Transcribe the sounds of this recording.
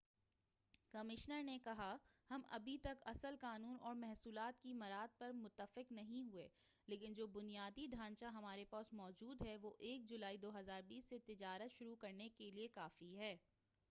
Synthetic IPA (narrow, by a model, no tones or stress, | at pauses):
kɐmɪʃnəɾnekɐɦahɐmɐ̰bʱit̪ɐkɐ̰səlkaːnuːnʔɔːɾmɛɦsuːlaːt̪kimɐɾaːd̪̚pɐɾmʊt̪ːəfɪqnɐɦĩɦueː | leːkɪnd͡ʒoːbʊnijaːd̪iɖʱãːnt͡ʃaɦɐmaːɾepaːsmɔːd͡ʒuːd̪ɦɛʋoʔeːk̚d͡ʒʊlaːid̪oːɦɐzaːɾbiːsːet̪ɪd͡ʒaːɾət̪ʃʊɾukɐɾnekeliekaːfiɦɛː